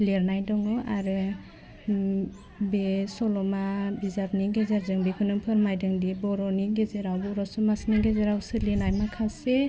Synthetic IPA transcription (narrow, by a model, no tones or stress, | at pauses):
leɾnajdɔŋɔaɾɯ | besɔlɔmabizap̚niɡezeɾzɯŋbekʰunɯŋpʰɯɾmajdɯŋdibɔɾɔniɡezeɾawbɔɾɔsumasniɡezeɾawsɯlinajmakʰase